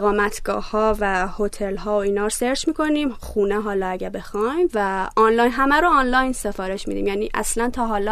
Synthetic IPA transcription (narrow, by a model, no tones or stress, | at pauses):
ɣɒːmæt̪ʰɡ̥ɒ̰ːhɒːvæhot̪ʰelɦɒːoiːnɒːɾoseɾd͡ʒmiːkʰo̞niːmxuːneɦɒːlɒːæɟæɾbe̞xɒjmvæʔɒnlɒːjnɦæmæɾoːnlɒjnse̞fɒːɾe̞ʃmiːd̪ḭːmjæːniːʔæ̰slænt̪ʰɒːɦɒːlɒ